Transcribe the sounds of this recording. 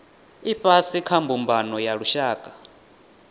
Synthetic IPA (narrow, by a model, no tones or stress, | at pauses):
iɸasikʰambumbanɔjaɺuʃaːkʼḁ